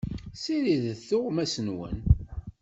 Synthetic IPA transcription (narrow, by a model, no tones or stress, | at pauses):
siɾiðθʊʁmæsənwə̰n